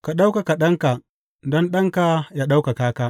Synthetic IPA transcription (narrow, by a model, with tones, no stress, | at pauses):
ka˨ɗa˦wka˨ka˨ɗɐ˦ŋka˨ | dɔ˦nɗɐ˦ŋka˨ja˦ɗa˦wka˨kaː˦kaː˦